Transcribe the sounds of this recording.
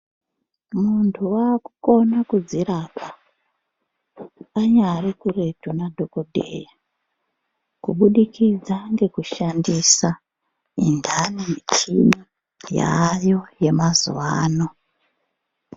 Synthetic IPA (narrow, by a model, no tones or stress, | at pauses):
muntʰuwaːkuko̞nakud͡ziɾapʰa | ɲaɾikure̞tunadʱo̞ko̞dʱe̞̰ja | kuɓuɗikid͡zaŋɡe̞kuʃandisa | ḭndʱaniet͡ʃḭɓu | ja̰jo̞je̞mazṵʋaːno̞